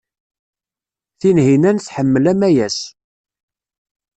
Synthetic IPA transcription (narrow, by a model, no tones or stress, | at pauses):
θinhinænθħəmːəlæmæjæs